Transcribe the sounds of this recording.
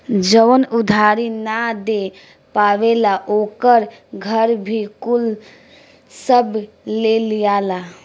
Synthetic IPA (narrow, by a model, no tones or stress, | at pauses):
d͡ʒəʋənʊd̪ʱaːɾinad̪e | paːʋelaʔoːkəɾɡʱəɾbʱikʊl | səb | lelijaːla